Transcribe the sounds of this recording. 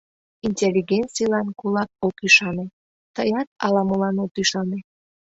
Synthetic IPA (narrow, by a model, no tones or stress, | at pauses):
inʲtʲelʲːiɡent͡sijlɑnkulɑk̚okyʃɑne | t̪əjɑt̪ɑ̰lɑməlɑnot̪yʃɑne